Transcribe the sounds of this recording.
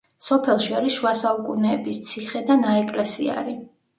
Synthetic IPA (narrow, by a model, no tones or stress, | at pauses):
sɔpʰɛlˠʃiaɾisʃuasaukʼunɛːbist̪sʰiχɛd̪anaɛkʼlɛsḭa̰ɾi